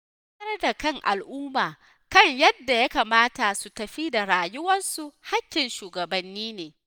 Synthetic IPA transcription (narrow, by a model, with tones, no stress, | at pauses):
ɐ˦rda˨kɐ˦˨ŋʔa̰˨lʔʊː˦maː˨ | kɐ˦˨ɲjɐ˦dːa˨ja˦kaː˨maː˦ta˨su˨tɐ˨ɸi˦da˨ɾaː˨jʊ˦wɐ˦nsu˨ha˦kʲːɪ˨nʃuː˨ɡɐ˨bɐ˨nːiː˦neː˨